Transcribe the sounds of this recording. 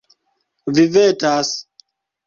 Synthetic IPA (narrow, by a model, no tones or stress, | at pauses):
vivetas